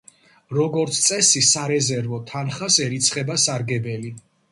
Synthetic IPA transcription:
ɾɔɡɔɾt̪sʰt̪sʼɛsisaɾɛzɛɾvɔt̪ʰanχasɛɾit̪sʰχɛbasaɾɡɛbɛli

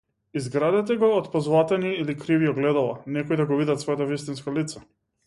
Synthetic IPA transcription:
izɡɾad̪ɛt̪ɛɡɔːt̪pɔzlˠat̪ɛniːlikɾiviɔɡlɛd̪alˠanɛkɔjd̪aɡɔvid̪at̪svɔjat̪ɔvist̪inskalit̪sa

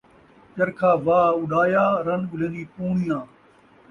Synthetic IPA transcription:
t͡ʃəɾkʰaːʋaːʊɖaːjaːɾɐnɠʊl̤ẽːnd̪iːpuːɳijãː

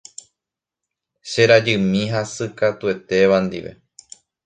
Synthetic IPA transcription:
ʃe̞ɾad͡ʒɨmĩɦasɨkat̪ue̞t̪e̞ʋand̪ḭʋe̞̰

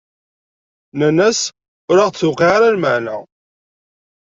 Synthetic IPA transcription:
nænæs | ʊɾaʁt͡sːʊqiaɾalməʕnæ

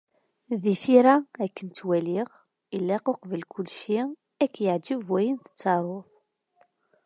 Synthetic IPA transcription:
ðiθiɾæækːənt͡s̪ːwæliʁ | ilːæqoqvəlkʊlʃi | ækːjəʕd͡ʒəvwæjənθə̥t͡sːɑɾˤoθ

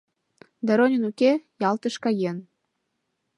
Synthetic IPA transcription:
d̪ɑɾonʲə̆nukejɑlt̪ə̆ʃkɑjen

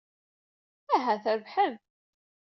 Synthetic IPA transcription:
æɦæθəɾvħəm

